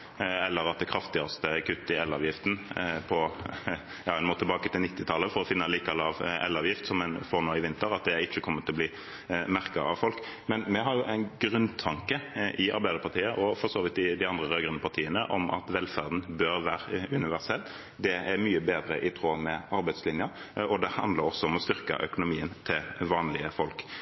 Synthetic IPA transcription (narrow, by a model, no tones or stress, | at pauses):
ɛlːəɾɑt̪̚d̪ɛkʰɾɑft̪ɪɑst̪əkʰʉt̪ːɪɛlːɑ̰ːʋjɪft̪n̩pʰɔ | jɑːɛɪnmoːt̪ɛbɑːkət̪ʰɪlnɪt̪ːɪt̪ʰɑlːəfɔɾɔfɪnːɑliːkɑlɑːʋɛ̰lːɑːʋjɪft̪sɔmːɛnfoːʁnoːɪʋɪnt̪əɾɑt̪̚d̪ɛɾɪt͡ʃːəkʰɔmːət̪ʰɔliː | mæʁkəɾɑ̰ʋfɔlk | mɛnmɛɦɑɾjʊʔæɪnɡʁʉnt̪ʰɑŋkəʔɪʔɑ̰ɾbæɪd̪əɾpʰɑʁt̪ʰiːəʔɔfɔʁsoːʋɪt̪ɪd̪ɪɑnd̪ʁəʁøːɡʁənəpʰɑʁt̪ʰiːənəʔɔmʔɑ̰t̪ʋɛlfæʁd̪n̩bøɾʋæːʁəʉnɪʋæʁsɛlː | d̪ɛæɾmyːəbeːd̪ɾəʔɪt̪ʰʁoːmɛɑɾbæɪd̪slɪnjə | ɔd̪ɛhɑnd̪ləɾɔsːɔɔmɔst̪ʏʁkɑ̰ʔœkʊnʊmiːənt̪ʰɪlʋɑːnlɪəfɔlk